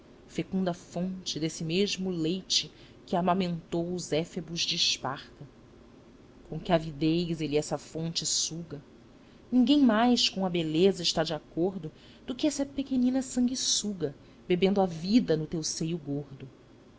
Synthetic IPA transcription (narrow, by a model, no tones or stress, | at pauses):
fekũnd̪ɐfõnt͡ʃɪd̪esɪmeʒmʊlejt͡ʃɪ | kɪamamẽnt̪owʊzɛfebuzd͡ʒiʃpaχt̪ɐ | kõkɪavid̪ejzeliɛsɐfõnt͡ʃɪsuɡɐ | nĩŋɡẽj̃majskõw̃ɐbelezɐɪʃt̪ad͡ʒiakoɾd̪ʊ | d̪̥ʊkɪɛsɐpekenĩnɐsɐ̃ŋɡisuɡɐ | bebẽnd̪ʊavid̪ɐnʊt̪ewsejʊɡoɾd̪ʊ